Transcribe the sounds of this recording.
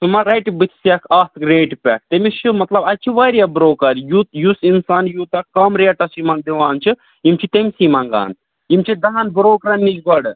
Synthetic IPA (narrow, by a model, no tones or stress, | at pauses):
sumɐɾɐjʈbɨt̪ʰsɐkʰɐt̪ʰɡɾeːʈpʲɛk̚ʰt̪emit͡ʃʰimɐt̪lɐbɐt͡ʃʰiʋɐɾijɐbɾoːkɐɾjut̪jusinsaːnjut̪ɐkɐmɾeɐʈɐsimɐnd̪iʋaːnt͡ʃʰi | imt͡ʃʰit̪emisimɐŋɡa̰ːn | imt͡ʃʰid̪ɐɦɐnbɾoːkɾɐnːit͡ʃɡɐɽ